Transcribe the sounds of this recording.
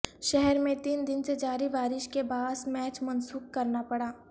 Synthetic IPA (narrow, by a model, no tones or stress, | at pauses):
ʃɛɦɛɾmẽt̪iːnd̪ɪnsed͡ʒaːɾibaːɾɪʃkebaːsmɛːt͡ʃmɐnsuːkkɐɾnapɐɽaː